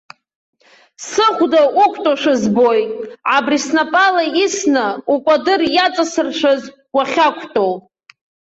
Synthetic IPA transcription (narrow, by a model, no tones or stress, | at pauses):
sɨχʷdaʔukʷʼʰtʼoʂazbojʕabrisnapʼalaisnaukʷʼadɨrjat͡sʼasɨrʃʷᶣaz | ɡʷaχʲakʷʰtʼow